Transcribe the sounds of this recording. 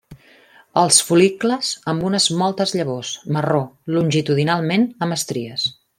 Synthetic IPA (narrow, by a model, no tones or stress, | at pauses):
əlˠsfulikləzəmbunəzmɔlˠt̪əzʎəβosmərolunʲʒit̪uðinalˠmenəmbəst̪ɾiəs